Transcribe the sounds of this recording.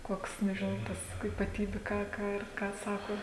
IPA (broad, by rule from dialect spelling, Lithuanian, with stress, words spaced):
ˈkoːks nʲɛʒʲɪˈnɐʊ ˈtɐs iːpɐˈtʲiːbʲʊ ˈkɑː ˈkɑː ɪr ˈkɑː ˈsɑːkoː